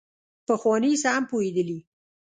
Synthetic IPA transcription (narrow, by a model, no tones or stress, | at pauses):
pəxwɑnisaampoed̪əli